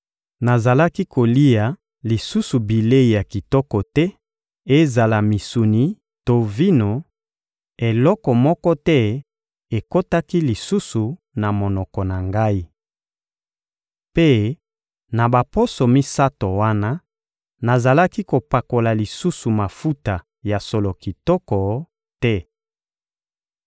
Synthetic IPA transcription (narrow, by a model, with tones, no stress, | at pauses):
na˨za˨la˦ki˦ko˨li˦ja˨ | li˨su˦su˨bi˨le˦i˨ja˨ki˨tɔ˦kɔ˨tɛ˦ | e˦za˨la˨mi˨su˨ni˨ | to˨vi˦no˨ | e˨lɔ˦kɔ˨mɔ˦kɔ˦tɛ˦ | e˨ko˦ta˦ki˦li˨su˦su˨ | na˨mo˨nɔ˨kɔ˨na˨ŋɡa˦i˦ | pe˦ | na˨ba˨po˦so˨mi˦sa˦to˨wa˦na˦ | na˨za˨la˦ki˦ko˨pa˨ko˨la˨li˨su˦su˨ma˨fu˦ta˨ | ja˨so˨lo˨ki˨tɔ˦kɔ˨ | tɛ˦